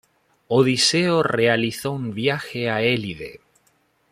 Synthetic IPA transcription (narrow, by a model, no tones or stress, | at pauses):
oðiseore̞aliθoumβjaxeaeliðḛ